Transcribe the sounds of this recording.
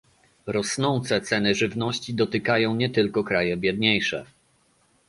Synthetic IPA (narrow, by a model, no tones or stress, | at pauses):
ɾɔsnɔnt̪sɛt̪sɛnɘʐɘvnɔɕt͡ɕid̪ɔt̪ɘkajɔ̃w̃ɲɛt̪ɘlkɔkɾajɛbʲjɛd̪ɲejʂɛ̰